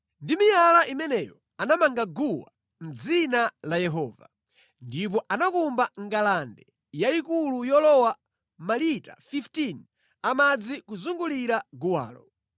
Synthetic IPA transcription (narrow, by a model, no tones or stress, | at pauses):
ndimijalaʔimɛnɛjɔ | anamaŋɡaɡuwa̰ | m̩d͡zinalajɛɦɔːva | ndip̬ɔʔanakumbaŋɡalandɛ | jaikulujɔlɔwa | malita̰fiftin | amad͡zikuzuŋɡuliɾaɡuwa̰ːlɔ̰